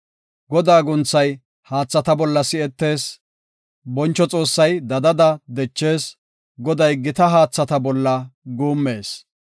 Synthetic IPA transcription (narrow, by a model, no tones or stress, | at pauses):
ɡɔd̪aːɡʊnt͡sːɐj | haːt͡sːɐt̪ɐbɔlːɐsɪɛt̪ːe̞ːs | bɔnt͡ʃːɔt͡sʼo̞ːsːɐjd̪ɐd̪ɐd̪ɐd̪ɛt͡ʃːe̞ːs | ɡɔd̪ɐjɡɪt̪ɐɦaːt͡sːɐt̪ɐbɔlːɐɡuːmːe̞ːs